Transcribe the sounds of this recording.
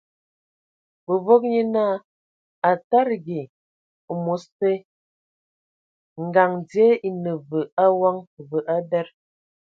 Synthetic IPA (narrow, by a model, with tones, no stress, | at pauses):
bə˨vo˦k̚ɲe˦naː˦˨ | a˨ta˦ɾɡi˨ | mo˨˦ste˦ | ŋ̩˨ɡa˨ŋdje˦i˨nə˨və˨a˦wa˦ŋvə˨ʔa˦bɛ˦ɾ